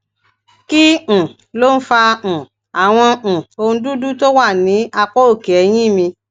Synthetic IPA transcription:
kĩ˦˨ | lo˦n̩˦fã˧˨ | a˨w̃ɔ̃˧˨o˧n̩˧˦du˦du˦to˦wa˦˨nĩ˨˦a˧k͡pɔ˦o˦˨ke˨ɛ˨˦j̃ĩ˦˨mĩ˧

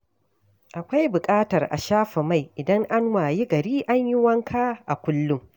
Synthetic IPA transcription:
ʔa˨kʷa˦jbʊ˨kʼaː˦tɐ˨rʔa̰˨ʃaː˦ɸɐ˨ma˦˨jʔɪ˨dɐ˦ŋʔa˦nwaː˨ji˦ɡɐ˨ɾiː˦ʔa˦ɲjɪ˦wɐ˦ŋkʰaː˦ʔa˨kʷʊ˦lːʊ˦ŋ

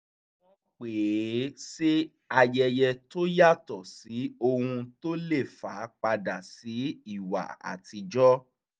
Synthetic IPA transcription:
ɔ˦k͡pe˨˦se˦ | a˧jɛ˧jɛ˧to˦ja˦˨tɔ˨si˨˦o˧hũ˧to˦le˦˨faː˨˦k͡pa˧da˨si˨˦i˦˨wa̰˨a̰˨tʰi˧d͡ʒɔ˦

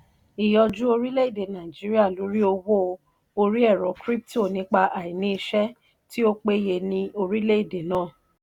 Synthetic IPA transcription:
i˨jɔ˧d͡ʒu˦o˧ɾi˦le˦i˦˨de˨nã˨i˨d͡ʒi˨˦ɾi˦a˦˨lo˨˦ɾi˦o˧wo˦ | o˧ɾi˦ɛ˦˨ɾɔ˨˦kɾi˦p̚to˦˨nĩ˨˦k͡pa˧ʔa˨i˨nĩ˨˦i˧ʃɛ˦ | ti˦o˦k͡pe˦je˧nĩ˧o˧ɾi˦le˦i˦˨de˨nãː˦˨

